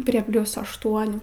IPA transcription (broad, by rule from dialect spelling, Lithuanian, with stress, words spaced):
pʲrʲiɛ ˈpʲlʲʊs ɐʃˈtuɔnʲuː